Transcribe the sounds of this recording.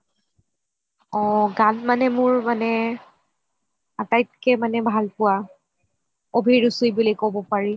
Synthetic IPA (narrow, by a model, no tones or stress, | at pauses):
ɔɡanmanɛmʊɹmanɛ | atajt̚kɛmanɛbʱalpʊwa | obʱiɹusujbulikobɔpaɹi